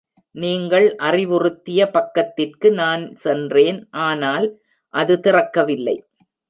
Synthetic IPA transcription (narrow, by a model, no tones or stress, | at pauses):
niːŋɡɐɭʔɐrɪʋɯrɯt̪ːɪjɐpɐkːɐt̪ːɪrkɯnaːnsɛndreːnʔaːnaːl | ʔɐðɯt̪ɪrɐkːɐʋɪlːɐ̰ɪ